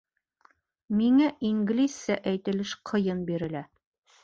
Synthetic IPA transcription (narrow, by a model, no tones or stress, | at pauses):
miŋæʔiŋɡlʲisːæʔæjt̪ɘ̆lɘʃqʰɤ̆jɤnbiɾɘ̆læ